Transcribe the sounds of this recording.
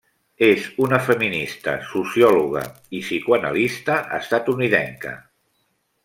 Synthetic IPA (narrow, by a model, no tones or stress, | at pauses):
ezunəfəminist̪ə̰susiɔluɣ̞ə̰ | isikwənə̰list̪əʔə̰st̪at̪uniðɛŋkə̰